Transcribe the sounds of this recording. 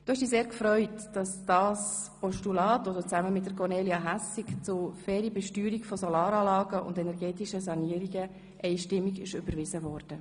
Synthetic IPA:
d̥oːhɛʃdiːseːɾkfɾœʏtd̥ɑsd̥ɑːspɔʃtulɑːtod̥̪ət͡sæməmɪt̚d̥əkʰɔrneːliɑɦæsikt͡sʊfɛːɾibɛʃtyːɾikfɔsɔlɑːɾɑːlɑːɡəʊ̰ndɛnɛɾɡɛːtiʃəsɑniəɾiɡə | ʔɛɪʃtɪmːiɡɪ̰ʃʏbəɾʋɪzəvɔːrd̥ə

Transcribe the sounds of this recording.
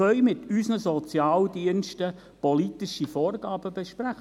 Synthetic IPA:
œʏmɪt̪ysnəsɔt͡sjɑːldiənʃtə | pɔlitɪʃəfɔːrɡɑːb̥əbɛʃpræχ

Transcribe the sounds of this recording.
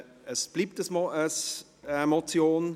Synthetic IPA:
əsb̥liːp̚təsmɔəs | ɛmɔt͡sjoːn

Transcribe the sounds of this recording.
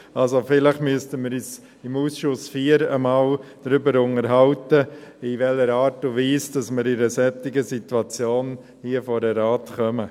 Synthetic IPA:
alzofɪləχmyəstəmɪɾyːs | ɪmuːsʃʊsfiːəɾəmaːld̥ɾʏbəɾʊnəɾɦɑwtəɪʋɛlːəɾaːɾtʊviːsd̥ɑsmɪɾɪɾəsɛtɪɡəsituat͡sjoːn | hiəfɔɾdəɾaːtχœmə

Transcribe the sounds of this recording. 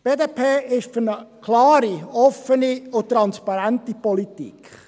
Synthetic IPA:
b̥eːdeːpʰeːɪʃfyɾnəkʰlɑːɾiɔfəniʊtːɾɑnspɑɾæntipɔlitḭkʰ

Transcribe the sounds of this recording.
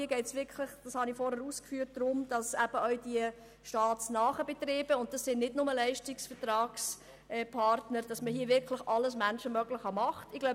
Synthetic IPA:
iəɡɛɪtsʋɪɾkχlɪχd̥ɑshɑnifɔɾhæɾuːskfyːt̚d̥ɾʊmd̥ɑsæb̥əʔœɥd̥iə | ʃtɑːtsnɑːχəb̥ɛtreːb̥əʊntd̥ɑsːɪnnɪdnʊməlæɪʃtɪksfətɾɑːks | ɛpʰɑɾtnəɾd̥ɑsməhiːəvɪɾkʰlɪχɑləsmænʃəmœɡlɪχhɑmɑχtɪɡ̥lɔʊ

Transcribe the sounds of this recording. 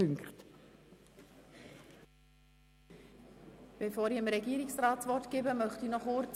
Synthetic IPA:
ʏŋkχt | b̥efɔːɾiɪmɾɛɡiːəɾɪksrɑːtt͡svɔrtɡ̥ɪːbəmœχtinɔχʊɾt͡s

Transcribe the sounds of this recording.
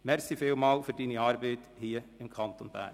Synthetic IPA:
mɛɾsɪfeːʊmɑlfɔɾd̪iːnəɑɾbeɪd̪̥hiːɪmkʰɑnt̪ɔnbæ̰ːɾ

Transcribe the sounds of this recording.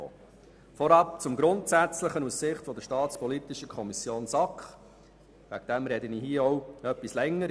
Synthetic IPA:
o̰ː | fɔɾɑpt͡sʊmɡɾʊntsæt͡sləχənussɪχtfɔd̪əʃtɑːt͡spɔlit̪ɪʃəkʰɔmisjoːnsɑkχ | væɡ̥̚d̥̪ɛmɾɛd̪əniɦiəɔwœpːislɛŋːə

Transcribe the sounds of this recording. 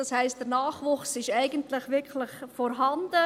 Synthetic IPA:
dɑshæɪst̚d̥əɾnɑːχʋʊχsɪʃæɪɡəntlɪχʋɪɾkʰlɪχfɔɾɦɑnd̥ə

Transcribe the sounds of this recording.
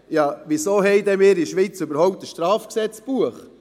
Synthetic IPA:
jɑʋisoːɦɛɪd̪ɛmɪːɾiʃʋiːt͡søbəɾhɔwp̚t̪əʃtɾɑːfksɛt͡sb̥uəχ

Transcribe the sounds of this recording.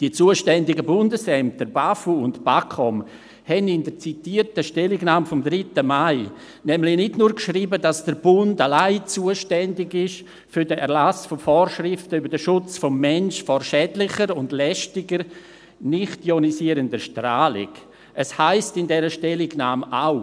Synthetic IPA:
d̥iət͡suːəʃtɛndɪɡəbʊndəsɛmtəɾbafuʊntb̥akʰɔm | hɛnɪndəɾt͡sitiːərtəʃtɛlɪɡnaːmfɔmdɾɪtəmaɪ | nɛmlɪnɪdnuːɾkʃriːbədasd̥əɾb̥ʊndalaɪt͡suəʃtɛndɪɡɪʃ | fʏɾdəʔɛɾlasfɔfɔːɾʃrɪftəybəɾdəʃʊt͡sfɔmːɛnʃfɔɾʃɛdlɪχəɾʊndlɛʃtɪɡəɾ | nɪχtjonisiəɾəndəʃtraːlɪ̰ɡ | ʔəshaɪstɪndɛɾəʃtɛlɪɡnaːmaʊ

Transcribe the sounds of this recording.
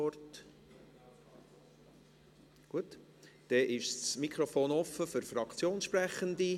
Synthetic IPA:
ɔrt | ɡ̥uət | d̥ɛʔɪʃsmikʰɾofoːnɔfəfʏɾfrɑkt͡sjoːnsʃprɛχəndi

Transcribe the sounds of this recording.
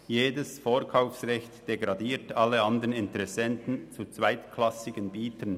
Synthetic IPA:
jeːdəsfoːɾkʰaʊfsʁɛçtd̥eɡʁɑdiːtɑlːəɑnd̪əʁnɪntəʁɛsɛntən̩t͡sut͡svaɪtkʰlɑsɪɡənbiːtʰən

